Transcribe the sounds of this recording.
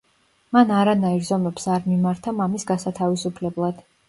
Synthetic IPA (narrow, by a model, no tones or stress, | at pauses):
manaɾanaiɾzɔmɛpsaɾmimaɾt̪ʰamamisɡasat̪ʰavisupʰlɛblˠad̪̥